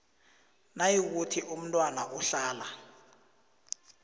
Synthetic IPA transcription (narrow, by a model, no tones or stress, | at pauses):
najik̬utʰiʔum̩tʼwanaʔuɬaːla